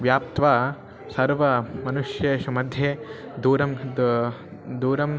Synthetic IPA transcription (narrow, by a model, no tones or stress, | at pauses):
ʋjaːp̚t̪ʋaː | sɐɾʋɐmɐnuʂjeːʃumɐd̪ʱjeː | d̪uːɾɐm | d̪uːɾɐm